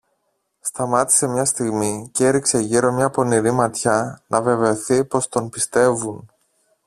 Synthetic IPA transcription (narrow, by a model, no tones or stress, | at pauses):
st̪ɐmɐt̪i̥se̞mɲɐst̪iɣmiceɾikse̞ʝiɾo̞mɲɐpo̞niɾimɐt̪çɐnʔɐve̞ve̞o̞θipo̞st̪o̞npist̪e̞vun